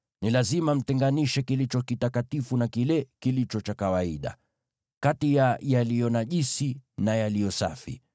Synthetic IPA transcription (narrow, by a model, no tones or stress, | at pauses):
nilazimam̩tɛŋɡaniʃɛkilit͡ʃɔkitakatifunakilɛkilit͡ʃɔt͡ʃakawaiɗa̰ | katijajalijɔnaʄisinajalijɔsa̰fḭ